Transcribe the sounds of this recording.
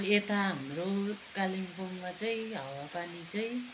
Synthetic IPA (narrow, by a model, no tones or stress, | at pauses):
et̪aɦamrokalimpoŋmat͡sʌĩɦʌwapanit͡sʌĩ